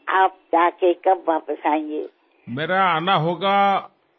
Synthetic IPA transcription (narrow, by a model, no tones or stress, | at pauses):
aːp̚d͡ʒaːkekɐbʋaːpəsaːẽŋɡḛː | meːɾaanaɦoːɡa